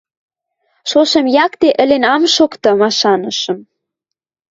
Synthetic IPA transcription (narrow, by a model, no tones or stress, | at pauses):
ʃoʃɤ̆mjɑkt̪eʔə̆lenɑmʃokt̪ɤ̆mɑʃɑnɤ̆ʃə̆m